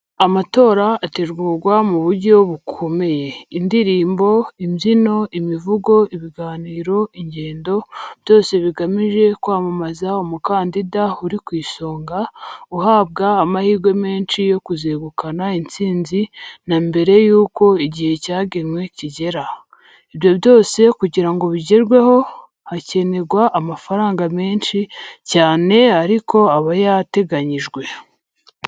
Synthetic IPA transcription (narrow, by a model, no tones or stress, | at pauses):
amato̞ːɾaːteɾɡuːɾɡwamuβuɾɟo̞βukʰo̞me̞je̞indiɾiːmbo̞imzino̞imivuɡo̞iβiɡaːniːɾo̞iɲɟe̞ːndo̞β̥jo̞ːse̞βiɡamiʒe̞kwaːmamazaomukaːndidauɾikwiːso̞ːŋɡauhaːb̚ɡaːmahiːɡwe̞me̞ːnʃijo̞kuzeːɡukanaint͡siːnzinambe̞ɾe̞juːko̞iɟihe̞caːɡenwe̞ciɟe̞ɾa | iβjo̞βjo̞ːse̞kuɟiɾaŋɡo̞βiɟeɾɡwe̞ho̞ | hace̞ne̞ɾɡwaʔamafaɾaːŋɡame̞ːnʃicaːne̞aɾiko̞aβajate̞ɡaɲiʒɡwe̞